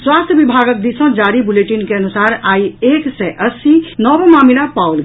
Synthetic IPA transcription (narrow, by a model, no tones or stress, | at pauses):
swast̪ʰjəbibʱaɡək̚d̪isə̃d͡ʒaːɾibuleʈinkeənusaːɾaieːksɛʔəsinɔːbmaːminapaul